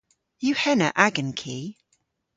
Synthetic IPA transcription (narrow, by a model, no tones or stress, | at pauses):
jʉhɛnə̰ʔaɡə̃nkʰiː